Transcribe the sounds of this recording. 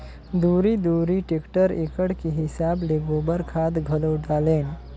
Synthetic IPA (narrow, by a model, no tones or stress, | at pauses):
d̪uɾid̪uɾiʈekʈəɾekəɽkiɦisableɡobəɾkʰad̪ɡʱələwɖalen